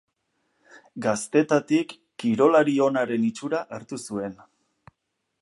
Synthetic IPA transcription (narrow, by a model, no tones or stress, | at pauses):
ɡast̪e̞t̪at̪ikː | iɾo̞laɾio̞naɾe̞nit͡ʃuɾaʔaɾt̪usue̞n